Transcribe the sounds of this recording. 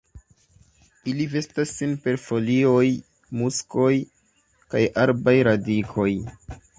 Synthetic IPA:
ilive̞stasːinpe̞ɾfo̞lio̞j | musko̞j | kajaɾbajɾadikʰo̞j

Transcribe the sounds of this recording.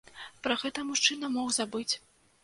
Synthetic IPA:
pɾɐɣɛt̪ɐmuʂt͡ʂɨnɐmɔwzabɨt͡sʲ

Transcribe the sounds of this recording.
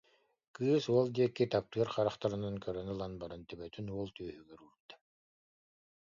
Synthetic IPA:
kɯːsuɔlˠd̪iɛkːit̪ap̚t̪ɯɐɾχaɾaχt̪aɾɯnankœɾœnɯlˠanbaɾɯnt̪ɛbœt̪ynuɔlˠt̪yœhyɡɛɾuɾud̪ḁ

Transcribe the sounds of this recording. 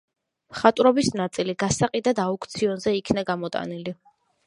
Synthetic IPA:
mχat̪ʼɾɔbisnat̪sʼiliɡasaqʼid̪ad̪aukʰt̪sʰiɔnzɛikʰnaɡamɔt̪ʼa̰nili

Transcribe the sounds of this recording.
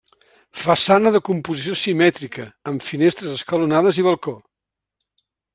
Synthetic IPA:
fəsanəðəkumpuzis̬iosimɛt̪ɾikəːmfinest̪ɾəzəskəlunaðəziβəlˠko

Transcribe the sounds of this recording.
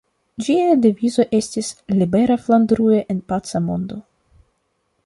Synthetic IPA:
d͡ʒiadivizo̞ʔe̞stislibe̞ɾafland̪ɾueʔenpat͡samo̞̰nd̪o̞

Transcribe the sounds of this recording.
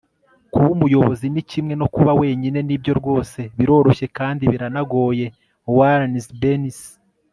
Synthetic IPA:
kuβumujo̞βozinicimŋe̞no̞kuβawe̞ːɲine̞nibɟo̞ɾɡo̞ːse̞βiɾo̞ːɾo̞ʃe̞kaːndiβiɾanaɡo̞ːje̞ | waɾnisbenis

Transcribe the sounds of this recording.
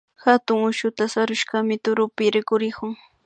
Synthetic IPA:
hat̪ʊŋʊʃʊt̪asaɾʊʃɢamɪt̪ʊɾʊpɪɾɪkʊɾɪkʊŋ

